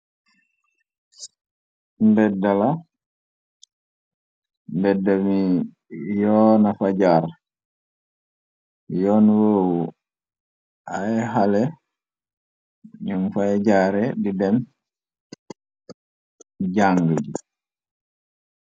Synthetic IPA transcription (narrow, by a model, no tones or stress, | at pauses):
mdɛdala | nbɛdːami | jɔnafad͡ʒaɾ | jɔːnuwow | ʔajɛɦalɛ | ɲumfajd͡ʒaɾɛdidɛm | d͡ʒaŋɡəd͡ʒi